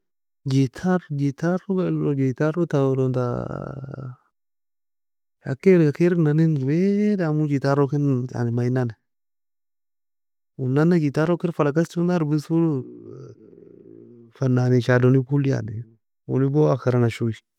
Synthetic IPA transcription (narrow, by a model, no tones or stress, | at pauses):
d͡ʒitʰaɾd͡ʒitaɾuɡalod͡ʒitaɾutaɾonta̰ | a̰keɾɡakeɾnaninwedamud͡ʒitaɾokina̰nmainane | unːanad͡ʒitaɾokiɾfalakastundaɾbisul | fananit͡ʃadonipulia̰ni | ṵniboakaɾanaʃui